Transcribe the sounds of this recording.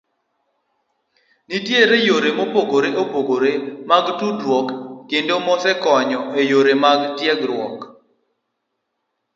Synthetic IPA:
nitjeɾejoɾemopoɡoɾeʔopoɡoɾemaɡtudwɔkːendomɔsɛkɔɲɔʔejoɾemaɡtjɛɡɾwɔk

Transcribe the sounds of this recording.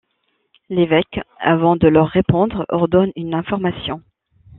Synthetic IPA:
levɛka̰vɑ̃d̪əlœʁːepɔ̃d̪ʁɔʁd̪ɔnynɛ̃fɔʁmasjɔ̃

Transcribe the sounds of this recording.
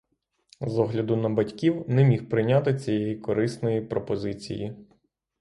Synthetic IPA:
zɔɦlʲɐd̪ʊnɐbɐtʲkʲiwnɛmʲixpɾɪjnʲat̪ɪt͡sʲijɛjikɔɾɪsnɔjipɾɔpɔzɪt͡sʲḭji

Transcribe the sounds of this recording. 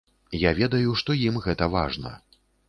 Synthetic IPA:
javʲɛd̪ɐjuʂt̪ɔjimɣɛt̪ɐva̰ʐnɐ̰

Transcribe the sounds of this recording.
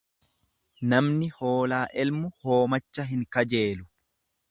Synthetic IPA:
nɐmnɪho̞ːlaːʔɛlmʊho̞ːmɐt͡ʃːɐɦɪŋkɐd͡ʒe̞ːlʊ

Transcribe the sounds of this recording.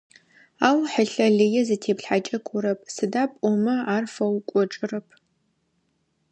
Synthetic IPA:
aːwħəɬɐɮɨjɛzɨtʰeːpɬħat͡ʃʼɐkʷʼʊɾɐpʰsɨdaːpʼɔmɐaːrfɐwkʷʼɔʈ͡ʂʼɨrɐpʰ

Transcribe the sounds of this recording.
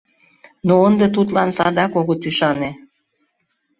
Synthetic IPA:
noənd̪ət̪̬ut̪lɑnsɑd̪ɑkoɣot̪yʃɑne

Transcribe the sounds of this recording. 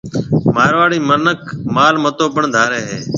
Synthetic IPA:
maːɾʋaːɽiːmənəkmaːlmət̪oːbəɳd̪ʱaːɾeːɦeː

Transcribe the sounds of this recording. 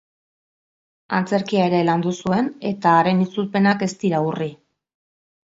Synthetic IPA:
a̰nt͡se̞ɾkiaeɾe̞land̪usue̞ne̞t̪aːɾe̞nit͡suɾpe̞nake̞st̪iɾauri

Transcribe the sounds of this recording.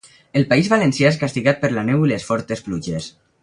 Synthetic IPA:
elpaizβalensjaeskast̪iɣat̪̚pəɾlanɛwilesfɔɾt̪espluʒes

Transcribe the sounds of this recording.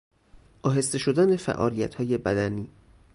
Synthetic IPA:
ʔɒːɦe̞st̪e̞ʃod̪ænefæ̰ʔɒ̰ːliːjæt̪ʰhɒːje̞bæd̪æniː

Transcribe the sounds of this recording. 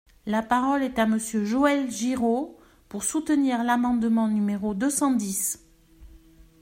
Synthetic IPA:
lapaʁɔlɛt̪aməsjøʒoɛlʒiʁo | puʁsut̪əniʁlamɑ̃d̪mɑ̃nymeʁod̪øsɑ̃d̪is

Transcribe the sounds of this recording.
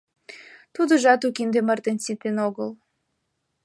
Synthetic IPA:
t̪ud̪əʒɑt̪ukind̪emərt̪ensit̪enoɣəl

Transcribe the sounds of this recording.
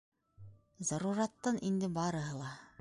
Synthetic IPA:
zɑɾuɾɑt̪ːɑnind̪ɘbɑɾɤ̆ɦɤlˠɑ

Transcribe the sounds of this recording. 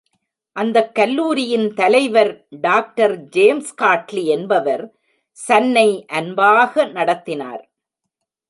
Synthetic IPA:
ʔɐnd̪ɐkːɐlːuːɾɪjɪnt̪ɐlɐɪʋɐɾɖaːk̚ʈɐɾd͡ʒeːmskaːʈliɛnbɐʋɐɾ | sɐnːɐɪʔɐnbaːɣɐnɐɽɐt̪ːɪna̰ːɾ

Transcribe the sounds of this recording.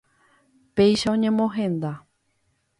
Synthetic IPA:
pejʃaõɲẽ̞mõɦẽ̞nd̪a

